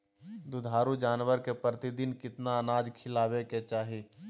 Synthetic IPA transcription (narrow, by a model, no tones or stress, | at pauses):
d̪ʊd̪ʱaːɾud͡ʒaːnwəɾkepɾət̪id̪ɪnkɪt̪naənaːd͡ʒkʰɪlaːʋeket͡ʃaːɦiː